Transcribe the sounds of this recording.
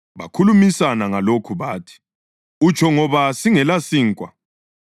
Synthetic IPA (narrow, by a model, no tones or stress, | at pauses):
βa̰kʰulumisanaŋalokʰuβaːtʰi̥ | ut͡ʃʰɔŋɔβasiŋɛlasiːŋkʼwa̰